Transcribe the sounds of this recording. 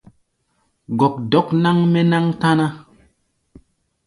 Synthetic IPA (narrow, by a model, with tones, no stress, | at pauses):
ɡɔ˨k̚dɔ˨˦kna˦ŋmɛ˦na˦ŋta˦na˦